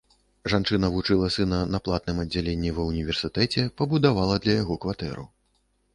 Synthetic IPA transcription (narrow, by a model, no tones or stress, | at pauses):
ʐant͡ʂɨnɐvut͡ʂɨlˠɐsɨnɐnɐplˠat̪̚nɨmɐdd͡zʲːalʲenʲːivɐwnʲivʲɛrsɨt̪ɛt͡sʲɛpɐbud̪avalˠɐd̪lʲɐjaɣɔkvat̪ɛ̰ɾṵ